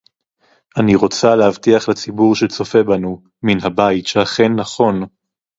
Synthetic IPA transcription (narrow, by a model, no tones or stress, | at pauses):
ʔaniʁo̞t͡salehavtiaχlat͡sibuʁʃet͡so̞fe̞banu | minɦabajitʃeaχe̞nːaχo̞n